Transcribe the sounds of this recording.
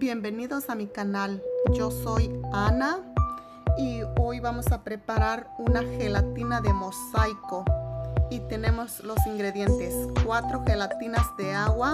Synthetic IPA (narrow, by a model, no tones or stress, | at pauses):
bjembeniðosamikanald͡ʒosojana | iojβamosapɾepaɾaɾunaxelat̪inaðemosajkoit̪enemoslosiŋɡɾeðjent̪eskwat̪ɾoxelat̪inazd̪eawa